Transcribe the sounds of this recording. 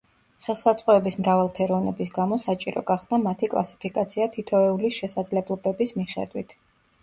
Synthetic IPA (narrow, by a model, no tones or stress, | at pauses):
χɛlˠsat̪sʼqʼɔɛbismɾavalˠpʰɛɾɔvnɛbisɡamɔsat͡ʃʼiɾɔ̰ɡaχsnamat̪ʰikʼlˠa̰si̥pʰikʼat̪sʰiat̪ʰit̪ʰɔɛulisʃɛsad̪zlɛblˠɔbɛbismiχɛ̰d̪wḭt̪ʰ